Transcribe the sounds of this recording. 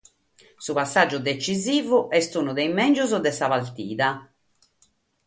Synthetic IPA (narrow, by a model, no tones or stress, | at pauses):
supasːad͡ʒːud̪et͡ʃiziːvuʔɛst̪uːnud̪ɛimɛnd͡ʒuzɔd̪ɛsaβalt̪ḭːða